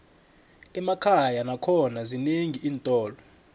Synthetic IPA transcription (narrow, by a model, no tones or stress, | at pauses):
ɛmakʰajanakʰɔnazineŋʱiʔiːntʼɔːlɔ